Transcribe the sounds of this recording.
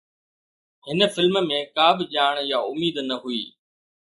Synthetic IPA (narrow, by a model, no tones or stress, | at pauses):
hɪnə̆fɪlmmẽkaːbʱɪʄaːɽ̃jaʊmiːd̪nɐɦuḭː